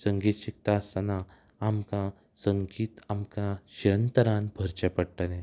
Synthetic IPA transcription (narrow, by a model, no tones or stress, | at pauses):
səŋɡiːt̪ɕik̚t̪aəst̪anaː | mkã | səŋɡiːt̪amkãɕiɾənt̪əɾãnbʱəɾt͡ɕepəɽʈənɛ̃